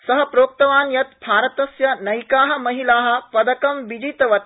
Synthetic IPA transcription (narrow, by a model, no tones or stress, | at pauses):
sɐɦɐpɾoːk̚t̪ɐʋaːnjɐt̪bʱaːɾɐt̪ɐsjɐnɐjkaːɦɐ̆mɐɦilaːɦɐ̆pɐd̪ɐkɐmʋid͡ʒiːt̪ɐʋɐt̪